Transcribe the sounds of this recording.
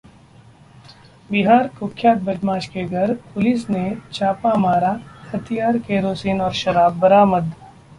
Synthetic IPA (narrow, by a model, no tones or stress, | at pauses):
bɪɦaːɾkʊkʰjaːt̪̚bɐd͡ʒmaːʃkeɡʱɐɾpʊlɪsnet͡ʃaːpamaːɾahɐt̪ʰijaːɾkeːɾoːsiːnɔːɾʃɐɾaːbːɐɾaːməd̪